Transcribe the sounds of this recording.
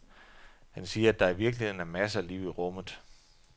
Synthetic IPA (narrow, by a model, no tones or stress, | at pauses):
hænsiːɐæd̥ɑ̈iʋiɐɡ̥lihe̝ð̰ˠn̩æmæs̬əliːʊiʁɔ̽m̰ð̩ˠ